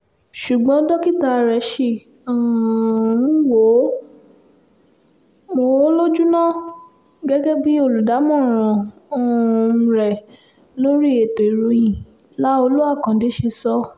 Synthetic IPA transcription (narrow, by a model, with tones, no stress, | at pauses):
ʃu˨ɡ͡bɔ̃˨˦dɔ˦ki˦ta˧˨ɾɛ˨˦ʃi˦˨ | ɔ˨ũ˦wo˨˦ | mo˨wo˨˦lo˦d͡ʒu˦nã˦˨ | ɡɛ˦ɡɛ˦bi˦o˦˨lu˨da˨˦mɔ̃˦˨ɾ̃ɔ̃˨˦˧ | ɾɛ˨ | lo˦ɾi˦e˨to˨i˨ɾu˨˧jĩ˨ | la˦o˧lu˦a˦˨kã˨˦de˨˦ʃe˧sɔ˦